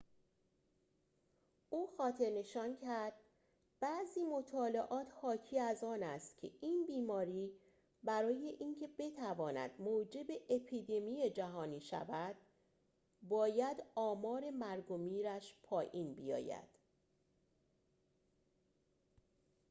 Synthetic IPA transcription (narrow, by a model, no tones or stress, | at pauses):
ʔuːxɒːt̪ʰe̞ɾne̞ʃɒːncʰæɾd̪̥̚ | b̥æziːmo̞t̪ʰɒːleʔɒːt̪ʰhɒːcʰiːæzɒːnæst̪cʲʰe̞̰ʔiːnbiːmɒːɾiː | bæɾɒːje̞ʔiːncʰe̞be̞t̪ʰævɒːnæ̰d̪̥moːd͡ʒe̞be̞ʔepʰiːd̪e̞mijed͡ʒæɦɒːniːʃæ̰væd̪̥̚ | bɒːjæd̪ɒːmɒːɾe̞mæɾɡo̞miːɾæʃpʰɒːʔiːnbḭjɒ̰ːjæ̰d̪̥